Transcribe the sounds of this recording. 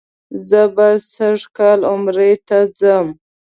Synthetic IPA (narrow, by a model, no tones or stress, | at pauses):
zəbasaʐkɑlʊmɾet̪ad͡zəm